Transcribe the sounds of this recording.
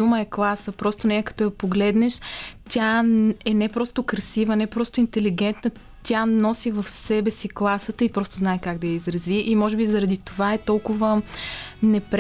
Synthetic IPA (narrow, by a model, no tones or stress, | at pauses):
uməɛklˠasəpɾɔst̪onɛəkɐ̥t̪ɔjɐpoɡlɛd̪nɛʃt̪ʲaɛnɛpɾɔst̪ʊkɾɐsivənɛpɾɔst̪ʊint̪ɛliɡɛnt̪nə | t̪ʲanɔsivəfsɛbɛsiklˠasət̪əipɾɔst̪ʊznaɛkaɡd̪ɐjəizɾɐziʔimɔʒɛbizɐɾɐd̪it̪ovaɛt̪ɔlˠkʊvə | nɛpɾ